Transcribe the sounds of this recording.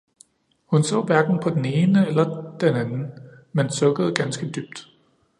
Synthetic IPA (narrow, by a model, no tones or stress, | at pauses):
hunsɔ̰̽ːʋæɐɡ̥n̩pʰɒ̽d̥ene̝ːnəelɐd̥enænn̩ | mensɔ̽ɡ̥əð̞̩ˠɡ̥ænsɡ̥əd̥yb̥̚d̥